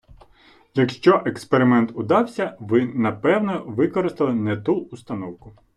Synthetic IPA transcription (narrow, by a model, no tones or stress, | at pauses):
jɐkʃt͡ʃɔʔekspeɾɪmɛnt̪ʊd̪ɑwsʲɐʋɪnɐpɛwnɔʋɪkɔɾɪst̪ɪlˠɪnɛt̪uːst̪ɐnɔwkʊ